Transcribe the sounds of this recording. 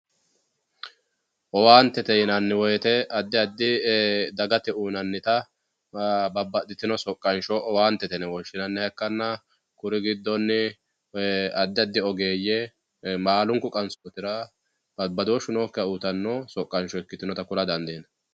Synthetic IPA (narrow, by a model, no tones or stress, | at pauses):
ʔɔwaːnt̪ːɛt̪ɛɪnɐnːɪwɔjɛt̪ɛɐd̪ːɪɐd̪ːɪd̪ɐɡɐt̪ɛuːnɐnːɪt̪ɐ | bɐbːɐd̪ɪt̪ɪnɔsɔkʼːɐnʃɔʔɔwaːnt̪ːɛt̪ɛnɛwɔnʃɪnɐnːɪhɛkːɐnːɐ | kʊɾɪɡɪd̪ːɔnːɪ | ɐd̪ːɪɐd̪ːɪɔɡe̞ːjɛ | maːlʊŋkʊkʼɐnsoːt̪ɪɾɐ | bɐbːɐd̪ɔʃʊnoːkːɪɐut̪ɐnːɔsɔkʼːɐnʃɔɛkːɪt̪ɪnɔt̪ɐkʊlɐd̪ɐnd̪eːnɐ